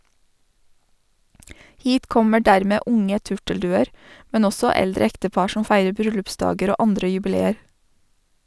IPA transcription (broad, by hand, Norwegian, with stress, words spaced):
ˈhiːt ˈkɔmə ˈɖæɾmeː ˈʔʊŋə ˈtʉʈəlˌdʉːəɾ ˈmɛn ˈɔsɔ ˈɛldɾə ˈɛktəˌpɑɾ ˈʃɔm ˈfæɪɾə ˈbɾʏlʉpˌsdɑːɡəɾ ˈoː ˈɑndɾə jʉbɪˈleːəɾ